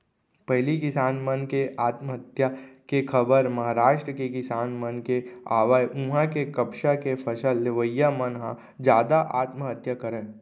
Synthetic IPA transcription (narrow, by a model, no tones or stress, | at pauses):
pɐɦlikɪsaːnmənkeʔaːt̪məɦət̪jakekʰɐbəɾmɐɦaːɾaːʃʈɾəkekɪsaːnmənkeaːʋəjũɦãkekɐpʃakepʰɐʃəlːɪʋəjːamənɦã | d͡ʒjaːd̪aʔaːt̪məɦət̪jakəɾə̃ː